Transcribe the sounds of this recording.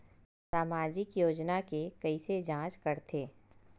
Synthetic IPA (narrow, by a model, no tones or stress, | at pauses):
saːmaːd͡ʒɪkjoːd͡ʒnakekɐised͡ʒãːt͡ʃkɐɾt̪ʰeː